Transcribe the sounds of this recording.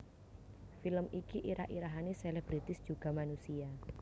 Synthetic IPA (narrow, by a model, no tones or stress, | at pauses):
filəmikiʔiɾa̰hḭɾaɦaniselɛb̥ɾit̪ɪsd̥ʒ̥uɡ̥a̤manusia